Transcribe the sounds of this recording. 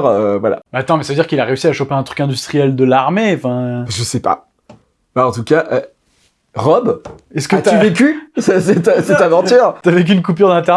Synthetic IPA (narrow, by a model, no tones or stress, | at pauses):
ʁøvwala̰bat̪ɑ̃mɛsavəd̪iʁkilaʁeysiaʃopeɛ̃t̪χykɛ̃d̪yst̪χijɛld̪əlaʁmeɑ̃fɛ̃pʒəsɛpa̰ | baɑ̃t̪ukaʔə | ʁɔbɛskət̪yayvek̬ʲysɛsɛt̪sɛt̪avɑ̃t̪yːʁt̪yavek̬ʲyːnkup̬yʁd̪ɛ̃t̪ɛ